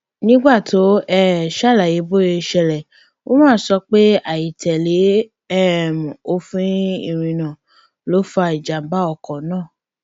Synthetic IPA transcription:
nĩ˦ɡ͡ba˦˨to˨˦ɛ˦˨ʃa˦˨la˨je˨˦bo˦je˧ʃɛ˧˨lɛ˨ | wo˦mãː˦˨sɔ˧˦k͡pe˦a˦˨ji˨tʰɛ˨le˨˦ | ɛ˦˨mũ˨o˦fĩ˦ḭ˦˨ɾ̃ĩ˧nã˨ | lo˨˦fa˨i˨d͡ʒa˨m˦ba˦ɔ˧˨kɔ̃˨nãː˦˨

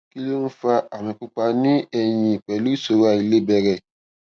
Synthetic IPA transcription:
ki˦lo˦n̩˦fa˧ʔa˨mĩ˧k͡pu˧k͡pa˧nĩ˦ɛ˧jĩ˧˨k͡pɛ˨lu˦i˦˨so˨˦wa˧˨i˧le˦bɛ˧ɾɛ˦˨

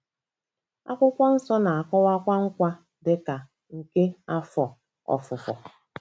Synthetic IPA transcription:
a̰˦kʷʊ˦kʷa˦n̩˦sɔ˦na˨a˨kɔ˦wa˦kʷa˦ŋ̩˦kʷa˦ | dɪ˦ka˨ | ŋ̩˨ke˦a˦fɔ˨ | ɔ̰˨fʊ˨fɔ̰˨

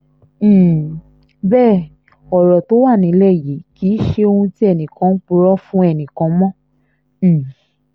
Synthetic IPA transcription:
bɛː˦˨ | ɔ˨ɾɔ˨to˨˦wa˦˨nĩ˨˦lɛ˦˨ji˨˦ki˨˦ʃe˧o˧ũ˧ti˦ɛ˦˨nĩ˨kã˨˦k͡pu˧ɾɔ˦fũ˦ɛ˦˨nĩ˨kã˨˧˦mɔ̃˦˨

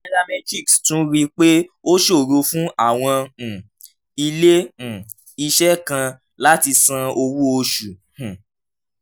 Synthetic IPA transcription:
a˨ɾa˧mɛ˧d͡ʒi˦˨kstũ˨˦ɾi˦k͡pe˦o˦ʃo˦˨ɾo˧fũ˦a˦˨w̃ɔ̃˧˨ | i˧lẽ˦˨ | i˧ʃɛ˦kã˧ | la˦ti˧sã˧o˧wu˦o˧ʃũ˨

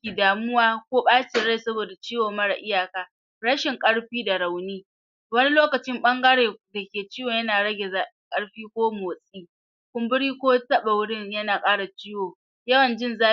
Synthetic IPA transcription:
iː˨daː˨mʊ˦waː˦kʷoː˦ɓaː˦t͡ʃeː˨ɽa˦˨jsɐ˦boː˨da˨t͡ʃiː˦woː˨mɐ˦ɽa̰˨ʔɪ˦jaː˨kaː˨ | ɽɐ˦ʃɪ˨ŋkʼɐ˦ɽɸiː˦da˨ɽa˨wniː˦ | wɐ˦ni˦loː˦kɐ˨t͡ʃɪ˦mɓɐ˦ŋɡɐ˦ɽeː˨da˨kʲeː˨t͡ʃiː˦woː˨jɐ˦naː˨ɽɐ˦ɡʲe˨zaː˨ɪ˦ŋkʼɐ˦ɽɸiː˦kʷoː˦moː˨sʼiː˦ | kʷʊ˦mbʊ˦ɽiː˦kʷoː˦tɐ˦ɓa˨wʊ˦ɽɪ˦ɲjɐ˦naː˨kʼaː˦ɽa˨t͡ʃiː˦woː˨ | jɐ˦wɐ˨nd͡ʒɪ˦nzaː˦

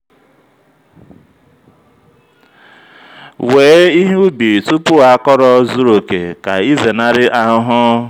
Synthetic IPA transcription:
weː˨˦i˦ɦu˦bi˨ɾi˨tu˦pʊ˦a˦kɔ˦ɾɔ˦zu˦ɾo˨kḛ˨ka̰˨i˦ze˨na˦ɾɪ˦ʔa˨ʊ˦ɦʊ˦

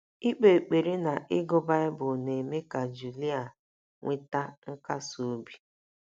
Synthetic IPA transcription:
i˦k͡pe˨k͡pe˨ɾi˦na˨ʔɪ˦ɡʊ˦ba˦ɪ˦bʊ˨ne˨me˦ka˨d͡ʒu˨li˦a˨ | ŋʷɪ˦ta˦ŋ̩˦ka˦so˨o˦bi˨

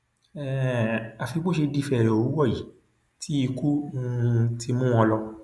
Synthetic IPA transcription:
ɛ˦˨a˨fi˧ɡ͡bo˦ʃe˧di˦˧fɛ˨ɾɛ˨o˨wũ˨˦wɔ˦˨ji˨˦ | tʰi˦i˧ku˦˧ | tʰi˧mũ˦ɔ̃˧lɔ˧

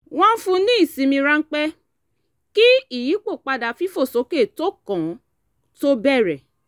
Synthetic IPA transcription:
w̃ɔ̃˦n̩˦fũ˧nĩ˦i˦˨sĩ˨˧mĩ˧ɾã˦˧˦k͡pɛ˦ | ki˦i˦˨ji˨˦k͡po˦˨k͡pa˧da˨fi˦fo˦˨so˨˦ke˦˨to˦kɔ̃˨˦ | to˦bɛ˦˨ɾɛ˨

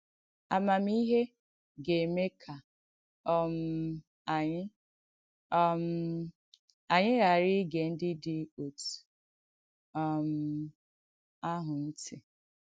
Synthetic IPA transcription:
a̰˨ma˨m˦i˦ɦe˦ | ɡe˨me˦kʰa˨ | ɔ˦m̩˦ | a˨ɲɪ˦ | m̩˦ | a˨ɲɪ˦ɣa˨ɾɪ˦ɡe˨n̩˦dɪ˦dɪ˦o˨tu̥˨ | ɔ˦m̩˨ | a˦ɦʊ˨n̩˦tɪ˨

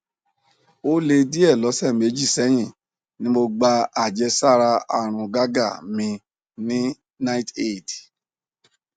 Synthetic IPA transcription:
o˦le˧di˦ɛ˦˨lɔ˨˦sɛ˦˨me˨˦d͡ʒi˦˨sɛ˦j̃ĩ˦˨ | nĩ˦mo˧ɡ͡ba˧a˦˨d͡ʒɛ˧˦sa˦˨ɾa˧a˨ɾ̃ũ˧ɡa˦ɡa˦˨mĩ˧ | nĩ˦ | na˦i˦te˦˨d

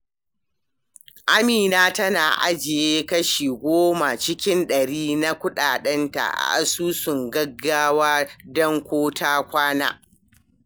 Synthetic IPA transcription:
ʔa˦miː˨naː˦tɐ˦na̰ː˨ʔa̰˦d͡ʒɪ˨jeː˦kɐ˦ʃiː˨ɡʷoː˦ma˨t͡ʃɪ˦kʲɪ˦nɗɐ˨ɽiː˦na˦kʷʊ˦ɗaː˨ɗɛ˦nta̰˨ʔa̰˨ʔa̰˨suː˦sʊ˨ŋɡɐ˦ɡːaː˦waː˦dɔ˦ŋkʷoː˦tʰaː˦kʷaː˦na̰ː˦

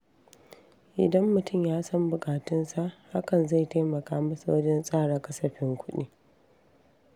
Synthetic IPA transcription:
ʔɪ̰˨dɐ˦mːʊ˨tʊ˦mjaː˦sɐ˦mbʊ˨kʼaː˨tʊ˦nsa˨ʔha˦kɐ˨nza˦˨jta˦mɐ˨kaː˦mɐ˦sa˨wɐ˦d͡ʒɛ˦nsʼaː˦˨ɽaː˨kɐ˦sɐ˨ɸɪ˦ŋkʷʰʊ˦ɗḭː˦

